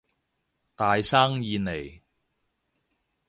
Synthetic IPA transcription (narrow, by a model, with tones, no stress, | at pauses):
t̪aː˨jsaː˥ŋjiː˧ne˨˩j